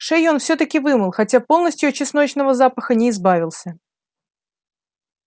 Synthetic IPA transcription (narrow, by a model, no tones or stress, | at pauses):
ʂɛjo̞nfsʲɵt̪əkʲɪvɨmɨlˠxɐtʲapo̞lˠnəsʲtʲjʊɐt͡ɕːɪsnot͡ɕnəvəzapəxənʲɪːzbavʲɪlˠsʲə